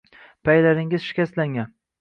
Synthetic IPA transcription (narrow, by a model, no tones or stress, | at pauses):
pʰajlaɾɪŋɪzʃɪ̥kʲast̪laŋʲan